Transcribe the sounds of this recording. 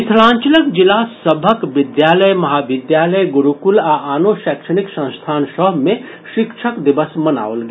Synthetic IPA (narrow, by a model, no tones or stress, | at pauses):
it̪ʰlãːnt͡ʃələkd͡ʒilasəbʱəkʋɪd̪jaːləjmɐɦaːʋɪd̪jaːləjɡuɾukulaʔaːnoʃɛːkʃəniksə̃st̪ʰaːnsəɦmẽ | ʃikʃʰəkd̪ibəsməna̰ːolɡ